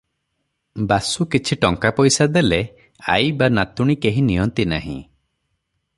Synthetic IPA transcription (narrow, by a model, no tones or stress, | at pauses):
basukit͡ʃʰiʈɔŋkapɔjsad̪ele | a̰jbanat̪uɽ̃ikeɦĩnijɔnt̪ina̰ɦḭ̃